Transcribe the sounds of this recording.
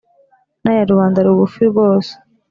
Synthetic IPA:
najaɾuβaːndaɾuβufiɡoːse̥

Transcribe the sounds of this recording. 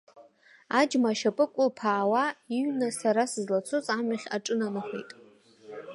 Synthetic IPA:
ad͡ʒmaːʃapʼɨkʷʼʊlpʰaːwaiɥnasaɾasɨzlat͡sʰuzʼamaχʲa̰ʈ͡ʂʼɨnanɨχʷḛjtʼ

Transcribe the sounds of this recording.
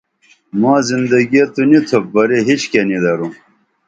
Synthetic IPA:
mãːzind̪ɐɡijɐt̪unit̪ʰobɐɾeɦit͡ɕkenid̪ɐɾum

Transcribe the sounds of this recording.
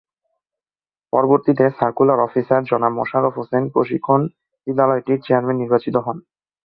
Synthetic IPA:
pɔɾoboɾt̪it̪esaɾkulaɾɔfisaɾd͡ʑɔnamɔ̰ʃaɾofɦosenpɾoʃikʰːon | id̪ːalɔeʈiɾt͡ɕeaɾmenːiɾbat͡ɕit̪oɦɔn

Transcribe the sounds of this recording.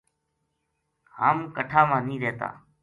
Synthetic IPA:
haːmkəʈʰaːmãːnĩːɾeːt̪a̰ː

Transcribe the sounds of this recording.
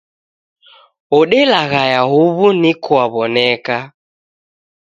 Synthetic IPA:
ɔɗɛlaɣajaɦuβunikuaβɔnɛka

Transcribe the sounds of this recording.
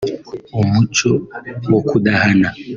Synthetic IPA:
omut͡ʃɔwɔkuɗaɦana

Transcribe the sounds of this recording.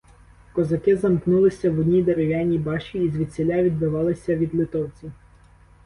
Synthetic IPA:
kɔzɐkɪzɐmknulˠɪsʲɐwɔd̪ʲnʲid̪eɾeʋʲjanʲibɑʃt͡ʃʲiːzʲʋʲid̪ʲsʲelʲaʋʲid̪bɪʋɑlˠɪsʲɐʋʲid̪lˠɪt̪ɔwt͡sʲi

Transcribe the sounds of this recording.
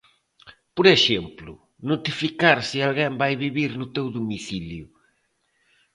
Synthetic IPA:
pɔɾeʃẽmplu | nut̪ifikaɾsɨalˠɣẽbajβiβiɾnʊt̪ewðumisilju

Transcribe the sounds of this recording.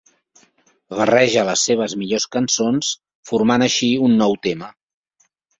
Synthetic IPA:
βərɛʒələsːeβ̞əzmiʎoskənsons | fuɾmanəʃiunːɔwt̪emə

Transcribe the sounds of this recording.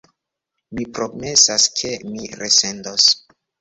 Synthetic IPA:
mipɾome̞saskʰemiɾese̞ndos

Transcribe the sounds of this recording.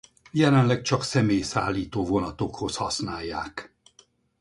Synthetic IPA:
jɛlɛnlɛk̚t͡ʃɒksɛmeːjsa̰ːlːiːt̪oːvo̞nɒt̪o̞kho̞shɒsnaːjːaːk

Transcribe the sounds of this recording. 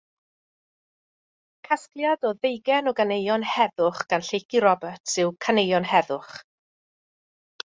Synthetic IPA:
kʰasklˠjadɔðejɡɛnɔɡanejɔnhɛðʊχɡ̥anɬejkiɾɔbətsɨwkʰanejɔnhɛðʊχ

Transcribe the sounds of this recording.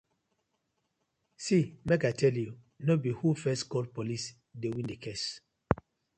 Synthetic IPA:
simekajtʰɛlju | nobihufɛstkɔld̚polis | dewĩndekʰes

